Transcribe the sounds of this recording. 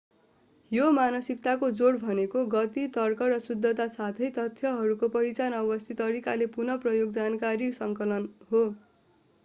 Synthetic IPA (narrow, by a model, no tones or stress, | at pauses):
jomanʌsik̚t̪akod͡zoɽbʱʌnekoɡʌt̪it̪ʌrkʌrʌsud̪ʱːʌt̪asat̪ʰʌjt̪ʌt̪ʰjʌɦʌɾukopʌɦit͡sanʌbʌst̪ʰit̪ːʌɾikalepunʌprʌjoɡd͡zankaɾisʌŋkʌlʌnɦo